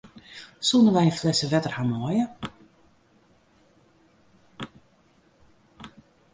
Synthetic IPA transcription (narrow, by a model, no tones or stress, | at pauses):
sunəʋɛjənflɛsəʋɛtərhamɔjə